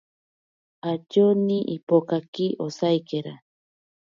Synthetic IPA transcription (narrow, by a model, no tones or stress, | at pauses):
at͡ʃoniʔipokakiʔosajkeɾa